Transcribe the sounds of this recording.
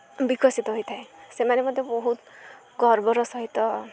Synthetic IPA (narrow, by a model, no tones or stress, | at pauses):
bikɔsit̪ɔɦojt̪ʰaesemanemʌd̪ʱjebɔɦut̪ | ɡʱɔɾbɔɾɔsɔɦit̪ɔ